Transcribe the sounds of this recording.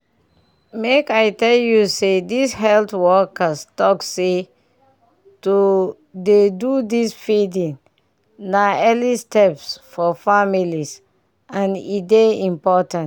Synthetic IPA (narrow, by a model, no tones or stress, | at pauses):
mekajtɛljusedishɛltwɔkəstɔkse | tu | dedudisfidĩŋ | naɛlistɛpsfɔfamilis | ãnḭdeĩmpɔtãnt